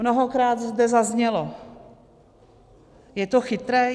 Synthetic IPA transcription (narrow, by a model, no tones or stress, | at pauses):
noɦokɾaːd̪zd̪ɛzazɲɛlo | jɛt̪oxɪt̪ɾɛː